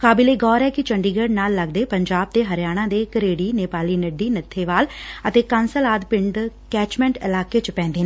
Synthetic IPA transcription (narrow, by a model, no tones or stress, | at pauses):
kaːbɪleːɡɔːɾɛːkɪt͡ʃəɳɖiːɡəɖnaːlːəɡd̪eːpəɲd͡ʒaːb̚t̪eːɦəɾjaːɽ̃ãːd̪eːkəɾeːɽiːneːpaːliːnəɖːiːnət̪ʰːeːʋaːlət̪eːkənsəlaːd̪pɪɳɖkɛːt͡ʃmɛ̃ːɳʈɪlaːkeːt͡ʃpɛ̃ːnd̪eːnː